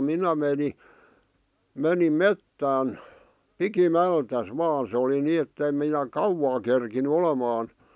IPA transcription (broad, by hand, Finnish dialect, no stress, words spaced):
minæ meni menim metːæːn pikimæltæs ʋɑːn̞ se oli niː etːeĭm minæ kɑuwɑː kerkiny olemɑːn